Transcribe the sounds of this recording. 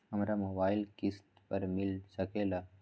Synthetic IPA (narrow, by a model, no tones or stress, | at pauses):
ɦɐmɾamoːbaːɪlkɪst̪pəɾmɪlsɐkelaː